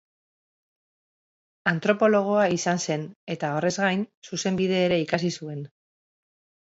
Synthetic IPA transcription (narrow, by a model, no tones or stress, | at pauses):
ant̪ɾo̞po̞lo̞ɣ̞o̞aisanse̞ne̞t̪ao̞re̞zɣajnsuse̞mbiðe̞ːɾe̞ikasisue̞n